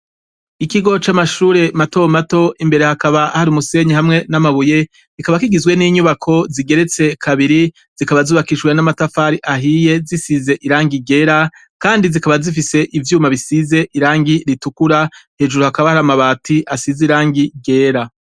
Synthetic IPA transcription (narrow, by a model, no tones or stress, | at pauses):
ikiɡo̞t͡ʃamaʃuːɾe̞mato̞mato̞ʔimbe̞ɾe̞hakaβahaɾiumuse̞ɲihamŋe̞namaβuje̞ | kikaβakiɡizɡwe̞niːɲuβakʰo̞ziɡe̞ɾe̞t͡se̞kʰaβiɾi | z̥ikaβazuːβakiʒɡwe̞namatafaːɾiʔaɦije̞zisize̞ʔiɾaːŋɡiɡe̞ːɾa | kaːndizikaβazifise̞ʔivjuːmaβisize̞ʔiɾaːŋɡiɾitukuɾahe̞ːʒuɾuhakaβahaɾamaβaːtʰiasiziɾaːŋɡiɡe̞ːɾa